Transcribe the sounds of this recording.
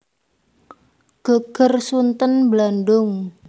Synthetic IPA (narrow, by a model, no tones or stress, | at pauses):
ɡ̥ə̤ɡ̥ə̤rsunt̪ənblanɖʊŋ